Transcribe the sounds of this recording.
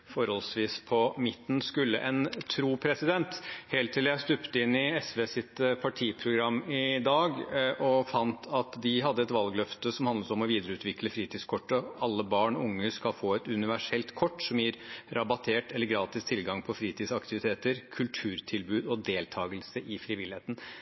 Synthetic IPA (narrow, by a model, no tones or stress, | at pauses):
fɔɾhɔlsʋiːspʰɔmɪt̪ːn̩skʉlːə̰ʔɛnt̪ʰɾuːpʰɾɛsɪd̪ɛnt̪hɛːlt̪ʰːɪləjæɪst̪ʉpt̪əɪnːɪɛsʋeːsɪt̪pʰɑʈʰiːpʰɾʊɡɾɑmːɪd̪ɑːɡʔɔfɑnt̪ʰɑt̪d̪ɪɦɑd̪ːəɛt̪ʋɑlɡlœft̪əsɔmhɑnd̪ət̪ɔmɔʋiːd̪əɾəʉːt̪ʰʋɪkləfɾiːt̪ʰiːskʰɔʈːəɑlːəbɑːɳɔʊŋːəskɑlfoːɛt̪ʉnɪʋæʂɛlt̪kʰɔʈːsɔmjiːɾɾʔɑbɑt̪ʰeːʈɛlːəɾɡɾɑːt̪ɪst̪ʰɪlɡɑŋpʰɔfɾiːt̪ʰiːd̪sɑkt̪ɪʋɪt̪ʰeːt̪əɾkʰʉlt̪ʰʉːɾt̪ʰɪlbʉːd̪ɔd̪eːlt̪ʰɑːɡəlsəʔɪfɾɪʋɪlɪheːt̪n̩